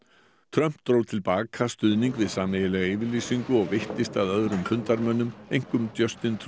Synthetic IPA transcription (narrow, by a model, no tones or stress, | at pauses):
t̪ʰɾœm̥t̪ɾowt̪ʰɪlpaːkʰast̪ʏðniŋkvɪðsaːmːejɪlɛɣaɪvɪɾliːsiŋkʏɔɣvɪht̪ɪst̪aðœðɾʏmfʏnt̪aɾmœnːʏmejŋ̥kʏmt̪jœst̪ɪnt̪ʰ